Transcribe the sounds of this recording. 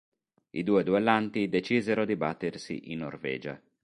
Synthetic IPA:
ḭd̪uːed̪uelant̪id̪et͡ʃiːzeɾod̪ibat̪ːersḭʔinːo̰rvɛ̰ːd͡ʒa̰

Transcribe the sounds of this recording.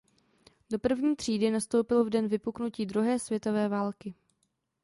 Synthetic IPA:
do̞pr̩vɲiːt̪r̝̥iːdɪnast̪o̞wpɪlvdɛnvɪpuknuciːdɾuɦɛːsvjɛt̪o̞vɛːvaːlkɪ

